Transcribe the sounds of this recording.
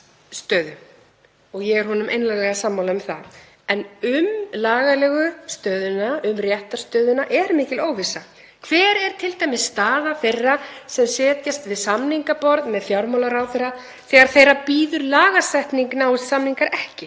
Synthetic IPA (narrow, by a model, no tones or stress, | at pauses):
st̪œːðʏ | ɔɣjɛɣɛɾhɔnʏmʔejnlaɣlɛɣasamːawlaʏmθa̰ð | ɛnʏmlaːɣalɛːɣʏst̪œːðʏnaʏmrjɛht̪ḁst̪œːðʏnaʔɛɾmɪːcɪloːwvɪsa | kʰv̥ɛːɾɛɾ̥t̪ʰɪlt̪ajmɪsst̪aːðaθejrːasɛmsɛːt̪jast̪vɪðsamniŋkapɔɾðmɛðfjawɾmawlaɾaːwθejɾa | θɛːɣaɾ̥θejrɾapiːðʏɾlaːɣasajht̪niŋknassamniŋkaɾʔɛhcɪ